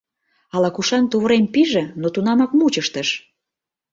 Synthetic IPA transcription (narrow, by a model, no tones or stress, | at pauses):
ɑlɑkuʃɑnt̪uβəɾempiʒĕnot̪unɑmɑkmut͡ɕəʃt̪əʃ